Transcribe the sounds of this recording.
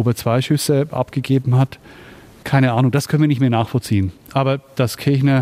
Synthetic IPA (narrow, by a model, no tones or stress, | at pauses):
oːbɐt͡sv̥aɪʃʏsəʔa̰pɡ̥əɡeːbm̩hat | kʰaɪnəʔaːnʊŋd̥askʰœnviːɐnɪçtmeːɐnaːxfɔlt͡siːənʔaːbɐd̥askʰɪɐçnɐ